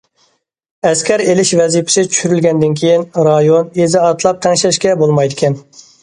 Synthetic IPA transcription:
ɛskʲʰɛɾelɪʃvɛzipʰɪ̥sɪt͡ʃʰy̥ʃyɾylɡʲɛnd̪ɪnkʲʰejinɾɑjonezɪɑt̪ʰlˠɑp̚t̪ʰɛŋʃlɪʃkʲɛbolˠmɑjd̪ɪkʲʰɛn

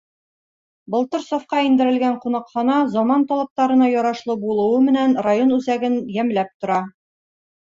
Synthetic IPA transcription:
bŏlˠt̪ɤɾsofqɑind̪ɘ̆ɾɘ̆lɡæɴqunɑqχɑnɑzɒmɑnt̪ɒlˠɑ̆p̚t̪ɑɾɤ̆nɑjɒɾɑʃlˠɤbulˠɤ̆wɤmɘ̆nænrajonʉzæɡɘnjæmlæp̚t̪ŏɾɑ

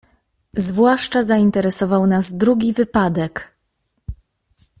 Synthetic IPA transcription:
zvwaʂt͡ʂazaint̪ɛɾɛsɔvawnazd̪ɾuɡʲivɘpad̪ɛk

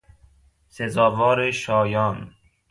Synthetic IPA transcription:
sezɒːvɔːɾeʃɒːjɒːn

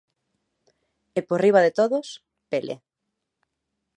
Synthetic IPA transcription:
eporiβ̞aðet̪oðʊs | pelʔḛ

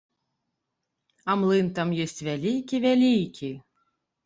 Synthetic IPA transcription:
amlˠɨnt̪amjɔsʲt͡sʲvʲalʲikʲivʲælʲijkʲi

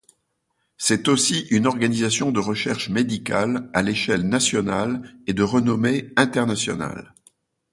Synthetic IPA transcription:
sɛt̪osiʔynɔʁɡanizasjɔ̃d̪əʁəʃɛʁʃmed̪ikʲalaleʃɛlnasjɔnaled̪əʁənɔmeɛ̃t̪ɛʁnasjɔ̰na̰l

